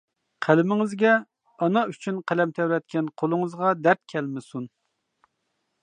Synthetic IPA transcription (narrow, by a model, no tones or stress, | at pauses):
qʰælɪmɪŋɪzɡʲɛ | ɑnɑyt͡ʃʰynqʰælɛmt̪ʰɛwɾɛt̪̚kʲɛnqʰolˠʊŋəzʁɑd̪æɾt̪̚kʲʰɛlmɪsun